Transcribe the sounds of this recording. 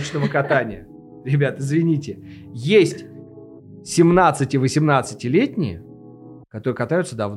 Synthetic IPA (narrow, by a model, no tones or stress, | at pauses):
t͡ɕnəvəkɐt̪anʲɪjə | ɾʲɪbʲat̪ɪzvʲɪnʲitʲɪ | jesʲtʲ | sʲɪmnat̪sɨtʲɪvəsʲɪmnat̪sɨtʲɪlʲetʲnʲɪjə̰ | kɐt̪oɾɨjəkɐt̪ajʊt̪səd̪ɐvn